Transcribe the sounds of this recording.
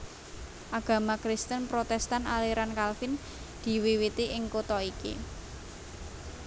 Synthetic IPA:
ʔaɡ̥ä̤makɾɪst̪ənpɾot̪ɛst̪analiɾankalfɪn | d̪̥i̤wiwit̪iʔɪŋkot̪ɔikḭ

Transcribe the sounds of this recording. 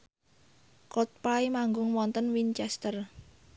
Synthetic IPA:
kɔt̪̚paimaŋɡʊŋwɔnt̪ənwint͡ʃɛst̪ər

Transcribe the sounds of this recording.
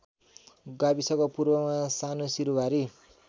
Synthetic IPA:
ɡabisʌkʌpurbʌmasanosiɾubʱaɾi

